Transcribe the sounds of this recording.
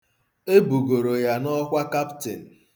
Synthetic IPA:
e˦bu˨ɡo˨ɾo˨ja˨nɔ˦kʷa˦ka˦ptɪ˨n̩˨

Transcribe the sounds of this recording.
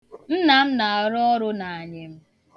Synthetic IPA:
n̩˦na˨m̩˦na˨ɾɔ˦ɾʊ˦na˨a˨ɲɪ˨m̩˦

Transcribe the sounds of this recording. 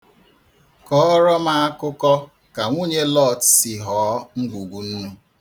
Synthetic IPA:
kɔ˦ɾɔ˦ma˦a˦kʊ˦kɔ˦ | ka˨ŋʷo˦ɲe˦lɔ˦˨tsi˨ɦɔː˨˦ŋ̩˦ɡʷu˨ɡʷu˨n̩˦nu˦

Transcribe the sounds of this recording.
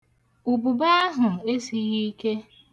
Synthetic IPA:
u˨bu˨ba˦ɦʊ˨e˦si˨ɣi˦ke˦

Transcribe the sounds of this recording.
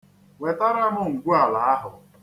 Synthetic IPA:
we˨ta˦ɾa˦ɦʊ˦ŋ̩˨ɡʷu˦a˨la˨a˦ɦʊ˨

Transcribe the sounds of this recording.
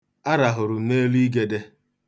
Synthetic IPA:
a˦ɾa˨ɦʊ˨ɾʊ˨me˦li˦ɡe˨de˦

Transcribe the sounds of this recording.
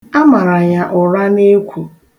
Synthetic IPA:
a˦ma˨ɾa˨ja˦ʔʊ˨ɾa˦ne˦kʷu˨

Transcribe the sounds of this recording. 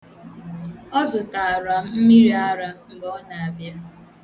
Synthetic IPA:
ɔ˦zʊ˨ta˨a˨ɾa˨m̩˦m̩˦mi˦ɾi˦a˦ɾa˨ŋ̩˨ɡɔ˨ɔ˦na˨a˨bje˨˦m̩˦

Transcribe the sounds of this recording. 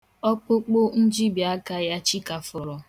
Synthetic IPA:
ɔ˦k͡po˦k͡po˦n̩˦d͡ʒi˦bja˦ka˦ja˦t͡ʃi˦ka˨fɔ˨ɾɔ˨

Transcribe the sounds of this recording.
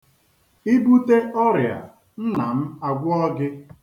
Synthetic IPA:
i˦bu˦te˦ʔɔ˦ɾja̰˨ | n̩˦na˨m̩˦a˨ɡʷʊ˦ɔ˦ɡɪ˦

